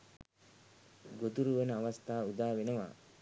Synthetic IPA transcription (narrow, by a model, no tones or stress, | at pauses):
ɡot̪uɾuʋənəaʋast̪aːud̪aːʋenəʋa̰ː